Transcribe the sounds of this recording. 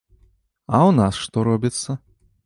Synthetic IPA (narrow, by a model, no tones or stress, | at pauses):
awnasʂt̪ɔɾɔbʲit̪sːɐ